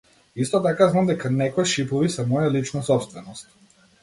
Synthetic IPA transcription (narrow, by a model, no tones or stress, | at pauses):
ist̪ɔt̪akaznamd̪ɛkanɛkɔjʃipɔvisɛmɔjalit͡ʃnasɔpst̪vɛnɔst̪